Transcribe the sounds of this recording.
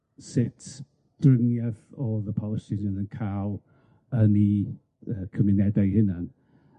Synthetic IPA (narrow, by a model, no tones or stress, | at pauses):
sɪtʰ | d̥rəŋjaðɔðəpʰɔlˠəsɪnənənkʰaw | əni | əːkʰəmɪnɛdajhɪnan